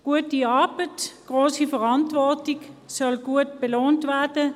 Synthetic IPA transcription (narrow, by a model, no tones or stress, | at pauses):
ɡ̥uːət̚iɑɐbətɡ̥ʁoːsəfəʁɑntvɔɐtɪçsɔlɡ̥uːətb̥eloːntvɛɐdə